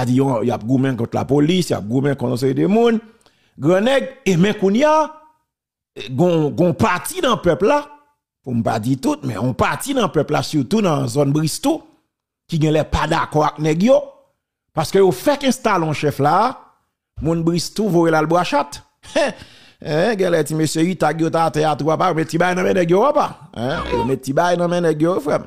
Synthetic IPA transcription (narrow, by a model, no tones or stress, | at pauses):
ad͡zijõjoap̚ɡumɛ̃kɔ̃t̪la̰polisja̰p̚ɡũmɛ̃kɔ̃t̪seedemũn | ɡʁãnɛɡemɛ̃kũnja | ɡɔ̃ɡɔ̃patinãpœpla | pum̩pa̰d͡zit̪ut̪̚mɛ̰̃ɔ̃patinãpœpla̰syʁt̪unãzɔnbʁist̪u | kiɡɛ̃lɛpad̪akɔak̚nɛɡjo | paskøjofɛkɛ̃st̪alɔ̃ʃɛfla | mũnbʁist̪uvojelalbwaʃat̪ | ɛ̃ɡɛ̃lɛtimøsjøit̪akjot̪atɛat̪uwapajomɛt̪ːibajnãmɛ̃nɛɡjowapaɛ̰̃jo̰mɛt̪ːibajnɐ̃mɛ̃nɛɡjoefɛm